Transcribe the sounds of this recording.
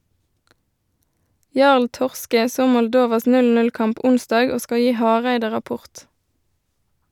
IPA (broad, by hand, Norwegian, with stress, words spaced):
ˈjɑʁl ˈtɔʁskə ˈsoː mɔlˈdoːʋɑs ˌnʉlˌnʉlˈkɑmp ˈʔʊnˌsdɑːɡ ˈoː ˈskɑ ˈjiː ˈhɑːʁæɪdə ʁɑˈpʊʁt